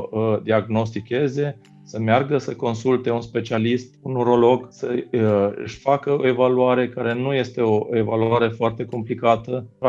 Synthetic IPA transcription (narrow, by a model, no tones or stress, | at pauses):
əd̪iaɡno̞st̪ikʲe̞ze̞ | səmearɡəsəko̞nsult̪e̞unspe̞t͡ʃialist̪unuɾo̞lo̞ɡsə | ɨ̰ʃʲfakəo̞e̞valuaɾe̞kaɾe̞nuje̞st̪e̞o̞e̞valuaɾe̞foart̪e̞ko̞mplikat̪ə